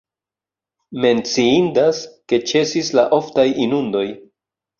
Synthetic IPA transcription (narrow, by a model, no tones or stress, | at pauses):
me̞nt͡siindaske̞t͡ʃe̞sislaʔo̞ftajinundo̞j